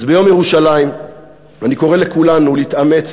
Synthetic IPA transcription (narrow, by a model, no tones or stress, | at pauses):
zbejo̞mjeʁuʃalaim | aniko̞ʁe̞le̞kulanulit̪ʔame̞t͡s